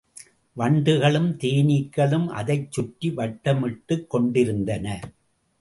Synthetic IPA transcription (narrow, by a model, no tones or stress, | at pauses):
ʋɐɳɖɯɣɐɭɯmt̪iːnɪkːɐɭɯmʔɐ̰ðɐɪt͡ʃːʊʈːiʋɐʈːɐmɪʈːɯkːɔɳɖɪɾɯnd̪ɐnɐ